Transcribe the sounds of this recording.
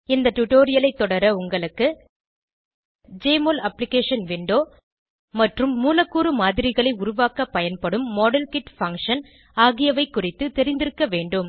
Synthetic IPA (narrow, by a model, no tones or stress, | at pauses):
ɪnd̪ɐʈʊʈoːɾɪjɐlɐɪt̪ːɔɽɐɾɐʊŋɡɐɭɯkːɯ | d͡ʒeːmoːlɐplɪkeːʂɐnʋɪɳɖoː | mɐʈrɯmːuːlɐkːuːɾɯmaːðɪɾɪɣɐɭɐɪʊɾʊʋaːkɐpːɐjɐnpɐɽɯmːɔːɽɐlkɪʈfɐŋkʂɐn | aːɣɪjɐʋɐɪkːʊrɪt̪ːɯt̪ɛɾɪnd̪ɪɾɯkːɐʋeːɳɖɯm